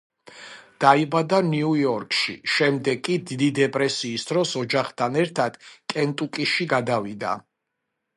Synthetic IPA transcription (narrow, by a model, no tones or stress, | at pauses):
d̪̥aibad̪aniujɔɾkʼʃḭʃɛmd̪ɛɡkʼːid̪id̪id̪ɛpʼɾɛsiːsd̪ɾɔsɔd͡ʒaχt̪ʰanɛɾt̪ʰad̪̥kʼɛnt̪ʼukʼiʃiɡad̪avid̪a̰